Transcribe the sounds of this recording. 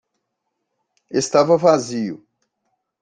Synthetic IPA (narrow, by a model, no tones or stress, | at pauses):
est̪avɐvaziʊ̰